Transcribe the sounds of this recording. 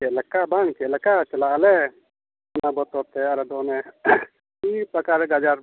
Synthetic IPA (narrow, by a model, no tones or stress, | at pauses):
kɛləkːabaŋkɛləkat͡ʃɐlalɛ | ɔnabɔt̪ɔɾt̪ɛaɾɛd̪ɔnɛ | ipɾəkaɾɛɡad͡ʒaɾ